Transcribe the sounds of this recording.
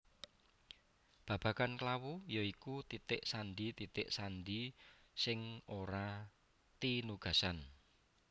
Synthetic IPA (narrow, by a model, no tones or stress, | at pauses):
b̥ä̤b̥ä̤kanklawujɔikut̪it̪ɪʔsanɖit̪it̪ɪʔsanɖisɪŋoɾa | t̪inuɡ̥a̤san